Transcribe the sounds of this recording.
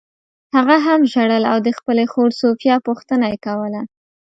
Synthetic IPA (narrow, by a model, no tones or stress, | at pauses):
haɣaɦamʒaɽəlawd̪əxpəlexoɽsofjɑpuxt̪ənajekawəla